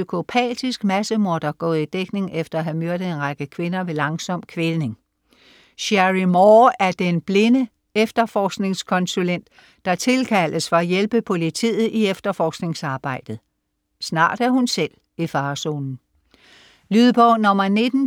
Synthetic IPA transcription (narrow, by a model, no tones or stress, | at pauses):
ykʰo̝pʰɛ̰ːd̥isɡ̥mæsəmoɐd̥ɐɡ̥ɔ̰ːð̩ˠid̥eɡ̥ne̝ŋefd̥ɐæɦæmøɐ̰ɾ̥əe̝nʁɑɡ̥əkʰʋe̝nɐʋe̝lɑ̈ŋsɒ̽m̰kʰʋe̝ne̝ŋ | ɕæʁimɒːæɐd̥enb̥le̝nə | efd̥ɐfɒːsɡ̥ne̝ŋskʰɒ̽nsulen̰d̥ː | ɑ̈t͡sʰe̝lkʰæləsfɒ̽æjelb̥əpʰo̝lit͡sʰḭːð̩ˠiefd̥ɐfɒːsɡ̥ne̝ŋsɑ̈ːb̥ɑ̈ɪ̰d̥ð̩ˠ | snɑ̰̈ːd̥æɐhunsel̰ | ifɑ̈ːso̝ːnn̩ | lyðˠb̥ɒʊnɒ̽mɐne̝d̥n̩